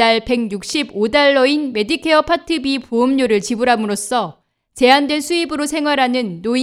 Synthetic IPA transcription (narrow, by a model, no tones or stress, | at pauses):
aɭpe̞ŋjuk̚ɕ͈ibodaɭːʌinme̞dikʰe̞ʌpʰatʰɯbipoɯmɲoɾɯɭt͡ɕibuɾɦamɯɾos͈ʌ | t͡ɕe̞andwe̞nsʰuibɯɾosʰe̞ŋwaɾɦanɯnːo